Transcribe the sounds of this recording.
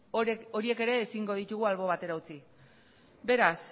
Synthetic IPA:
o̞ɾie̞ke̞ɾe̞ːsiŋɡo̞ð̞it̪uɣualβo̞βat̪e̞ɾaut͡si | be̞ɾas

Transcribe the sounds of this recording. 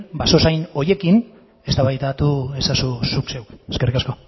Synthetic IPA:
baso̞sajno̞je̞kin | e̞st̪aβajt̪at̪ue̞sasusukse̞wkeske̞rikasko̞

